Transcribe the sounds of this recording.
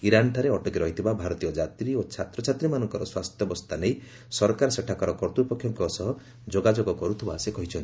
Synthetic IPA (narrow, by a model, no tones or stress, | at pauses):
iɾanʈʰaɾeɔʈɔkiɾɔɦit̪ʰibabʱaɾɔt̪ijɔd͡ʒat̪ɾiot͡ʃʰat̪ɾɔt͡ʃʰat̪ɾimanɔŋkɔɾɔswast̪ʰjɔbɔst̪anej | sɔɾkaɾɔseʈʰakɔɾɔkɔɾt̪ɾupɔkʰːjɔŋkɔsɔɦɔ | d͡ʒoɡad͡ʒoɡɔkɔɾut̪ʰibasekɔɦit͡ʃʰɔnt̪i